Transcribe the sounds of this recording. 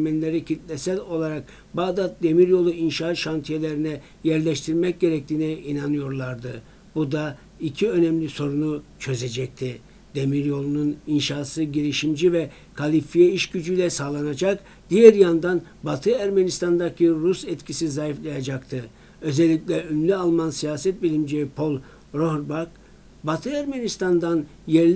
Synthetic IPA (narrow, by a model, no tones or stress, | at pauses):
mɛnlʲeɾicʰit̪lʲɛsɛlʲo̞lˠaɾak | baːd̪at̪̚d̪e̞miɾjo̞lˠuinʃaʃant̪ʰijelʲeɾinɛ | jæɾlʲɛʃt̪ʰiɾmɛc̚ɟe̞ɾɛc̚t̪ʰiːnɛinanɯjo̞ɾlˠaɾd̪ɯ | bud̪a | icʰiø̞nɛmlʲiso̞ɾunut͡ʃʰø̞zed͡ʒɛc̚t̪ʰi | d̪̥e̞miɾjo̞lˠununinʃaːsɯɟiɾiʃimd͡ʒivɛ | kʰalʲifijɛiʃɟyd͡ʒyjlʲɛsaːlˠanad͡ʒak | d̪̥ijɛɾjand̪an | bat̪ʰɯæɾmenist̪and̪acʰiɾusɛt̪cʰisizajiflˠajad͡ʒakt̪ʰɯ | ø̞zɛlʲːicʲlʲɛønlʲyalˠmansijaːsɛt̪̚bilʲimd͡ʒejipʰo̞lˠ | ɾoɦɾbak | bat̪ʰɯæɾmenist̪ʰand̪an | jɛɾl